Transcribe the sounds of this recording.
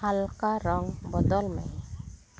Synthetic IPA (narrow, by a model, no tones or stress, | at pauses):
alkaɾɔŋbɔd̪ɔlmɛ̰